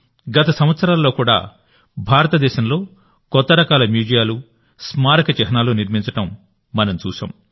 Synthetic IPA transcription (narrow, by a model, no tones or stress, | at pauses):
ɡɐt̪ɐsɐmʋɐt̪sɐɾaːlːo̞ːkuːɽa̰ː | bʱaːɾɐt̪ɐd̪ɛːʃɐmlo̞ː | kɔt̪ːɐɾɐkaːlɐmjuːd͡ʒijaːlu | smaːɾɐkɐt͡ʃɛɦɐnaːloːniɾmiɲt͡ʃɐʈɐmː | ɐnɐmt͡ʃṵːsa̰ːm